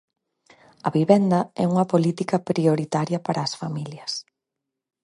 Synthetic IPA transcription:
ɐβiβɛnd̪ɐɛ̰uŋɐpolit̪ikɐpɾioɾit̪aɾjɐpaɾʔɐːsfamiljɐs

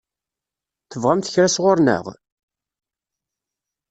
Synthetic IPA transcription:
θəvʁamθəçɾæsʁʊɾnə̰ʁ

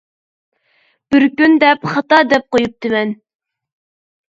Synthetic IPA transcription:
b̥ɪɾkʲynd̪ɛpχɑt̪ɑd̪ɛp̚qojup̚d̪ɪmɛn

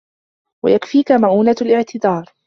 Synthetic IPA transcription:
wa̰jakfiːkamaʕuːnalʔɪʕt̪ɪd̪ɑːɾˤ

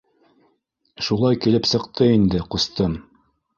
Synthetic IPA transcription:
ʃulˠɑjkilɘpsɤ̆qt̪ɤind̪ɘqŏst̪ɤm

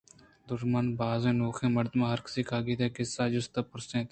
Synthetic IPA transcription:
d̪ʊɾmənbaːzẽːnoːxʰẽːməɾd̪mãːɦəɾkə̥siːkʰaːɡiːt̪eːkɪsːaːd͡ʒʊst̪aːpʊɾsẽːt̪

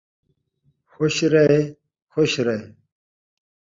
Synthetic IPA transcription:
xoɕɾɐe | xoɕɾɐe

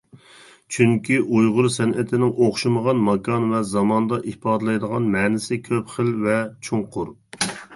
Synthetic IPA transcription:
t͡ʃʰyŋkʲiʔujʁʊɾsɛnʔɪt̪ʰɪnɪŋoχʃuməʁɑnmɑkʰɑnvɛzɑmɑnd̪ɑʔihpɑːd̪ɨlˠɑjd̪əʁɑnmɛːnɪsɪkʲʰøpχəlvɛt͡ʃʰuŋqʰʊɾ

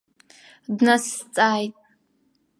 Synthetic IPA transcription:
dnast͡sʼaːjtʼ

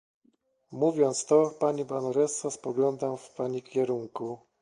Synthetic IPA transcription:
muvʲjɔnt̪st̪ɔpaɲibanɔɾɛsɔspɔɡlɔnd̪amfpaɲikʲɛɾuŋku

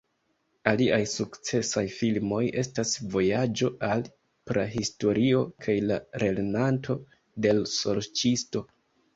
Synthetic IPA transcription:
aliʔajsukt͡se̞sajfilmo̞je̞stasvo̞jad͡ʒo̞ʔal | pɾaɦisto̞ɾio̞kʰajlaɾe̞lenantʰo̞ | de̞lso̞ɾt͡ʃisto̞

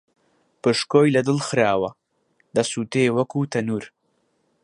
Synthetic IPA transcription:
pɨʃkoːjlɐd̪ɨlxɨɾaːwɐ | d̪ɐsuːt̪eːwɐkuːt̪ʰɐnuːɾ

